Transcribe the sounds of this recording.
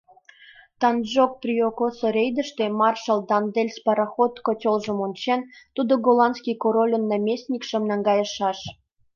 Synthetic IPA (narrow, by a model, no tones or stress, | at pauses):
t̪ɑnʒok̚prʲiokosoɾʲejd̪əʃt̪e̽mɑrʃɑld̪ɑnd̪elʲspɑɾɑxot̪kotʲolʒə̆monʲt͡ɕent̪ud̪oɡolɑnskʲijkoɾolʲənːɑmʲesʲnʲikʃə̆mnɑŋɡɑjəʃɑʃ